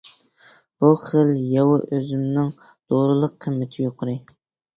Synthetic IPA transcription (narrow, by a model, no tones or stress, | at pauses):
b̥uχəljɑwɨʔøzɪmnɪŋ | z̥oɾɨlˠəqʰːəmːɪt̪ʰɪjoqʰʊɾɨ